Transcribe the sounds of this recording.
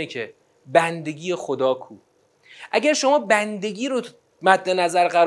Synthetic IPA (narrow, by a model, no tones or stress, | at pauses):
ekʰe | bænd̪e̞ɡiːjexod̪ɒːkʰuː | ʔæɟæɾʃo̞mɒːbænd̪e̞ɟʲiːɾo | mæt̪ne̞næzæɾɢæɾ